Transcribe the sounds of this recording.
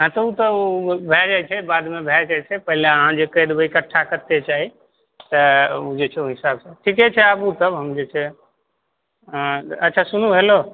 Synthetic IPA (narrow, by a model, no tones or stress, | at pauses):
ɦãt̪əut̪əubʱɛd͡ʒat͡ʃʰɛbaːd̪mẽbʱɛkat͡ʃʰɛpəɦɪleəɦãd͡ʒekəd̪bəikaʈʰːakət̪ːet͡ʃaːɦi | t̪əud͡ʒet͡ʃʰeuɦɪsaːbsaʈʰiket͡ʃʰɛəbut̪əbɦəmd͡ʒet͡ʃʰɛ | ɐtːʃʰasʊn̤uɦelo